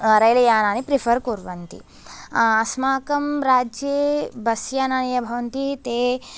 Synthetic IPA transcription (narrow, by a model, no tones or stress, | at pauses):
ɾɐjlɐjaːnaːnipɾipʰɐɾkuɾʋɐnt̪ḭ | ɐsmaːkɐmɾaːd͡ʒjebɐsjanaɳjɐbʱɐʋɐnt̪it̪eː